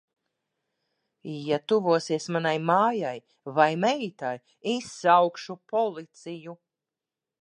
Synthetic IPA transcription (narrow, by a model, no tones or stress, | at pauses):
jat̪uvuɔsiɛsmanajmaːjaj | vajmɛt̪aj | isːawkʃupɔlˠit̪siju